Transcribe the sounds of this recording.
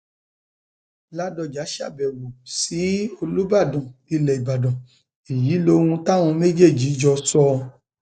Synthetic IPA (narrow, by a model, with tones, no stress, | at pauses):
la˦dɔ˧˨d͡ʒa˨˦ʃa̰˦˨bɛ˨wu˨si˨˦o˧lu˦ba˦˨dɔ̃˨i˧lɛ˨i˨ba˨dɔ̃˨ | i˨ji˨˦lõ˧˦ũ˧ta˦w̃ũ˧me˦d͡ʒe˦˨d͡ʒi˨˦d͡ʒɔ˧sɔ˧˦